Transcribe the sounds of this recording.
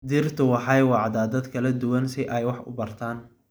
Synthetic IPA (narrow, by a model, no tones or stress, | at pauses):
d̪ɪrt̪ʰʊwɑħɑjwɑʕd̪aːd̪ɐd̪kʰɐlɐd̪ʊwɐnsɪʔɛjwɑħʊ̰bɐrt̪ʰaːn